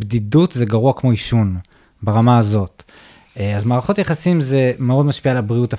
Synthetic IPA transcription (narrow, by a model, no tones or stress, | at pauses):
bdidutzeɡaʁuakmo̞iʃun | baʁamaːzo̞t | azmaːʁaχo̞tjaχasimze̞meo̞dmaʃpialabʁiuta